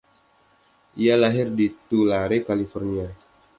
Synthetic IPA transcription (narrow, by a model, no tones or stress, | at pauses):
ʔialaɦɪrdit̪ulaɾekalifɔrnia